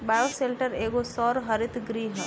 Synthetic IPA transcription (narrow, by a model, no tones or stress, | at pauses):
baːjoseːlʈəɾeːɡosɔːɾɦɐɾɪt̪ʰɡɾiːɦə